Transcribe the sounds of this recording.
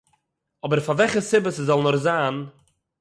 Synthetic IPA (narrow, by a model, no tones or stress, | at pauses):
ɔbəɾfavɛχəsɪbəsəzɔlˠnɔχzaːn